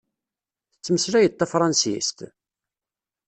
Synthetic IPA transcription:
θət͡sːməsɾæjət̪ːæfɾˤɑnsḭst̪

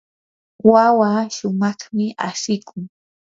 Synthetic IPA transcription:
wawaʃʊmɑχmɪʔaʃɪkʰʊŋ

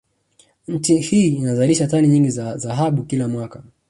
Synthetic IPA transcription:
ɲ̩t͡ʃihiːnazaliʃataniɲiŋɡizazaɦaɓukilamwaka

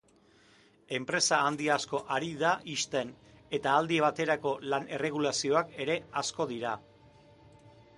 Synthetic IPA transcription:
e̞mpɾe̞saːnd̪iasko̞ʔaɾiðaʔist̪e̞n | e̞t̪aːld̪ieβ̞at̪e̞ɾako̞lanere̞ɣ̞ulasio̞ake̞ɾe̞asko̞ðiɾa

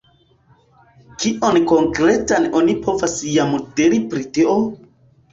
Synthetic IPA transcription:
kiʔo̞nko̞ŋkɾetanonipo̞vasjamdiɾipɾitio

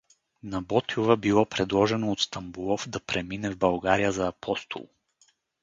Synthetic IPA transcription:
nɐbɔt̪iovəbilˠɔpɾɛd̪lˠɔʒɛnoːt̪st̪ɐmbulˠɔfd̪ɐpɾɛminɛvbɐlˠɡaɾijəzɐːpʰɔst̪ʰo̰lˠ

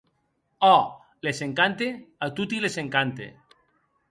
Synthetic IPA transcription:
ɔ | leseŋkant̪eat̪ut̪ileseŋkant̪ḛ

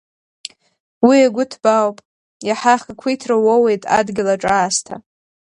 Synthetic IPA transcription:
wiaɡʷʊtʰb̥awpʼ | jaħaχakʷʰijtʰrawowe̞jtʼa̰dɡʲɪlaʈ͡ʂʼaːstʰa̰

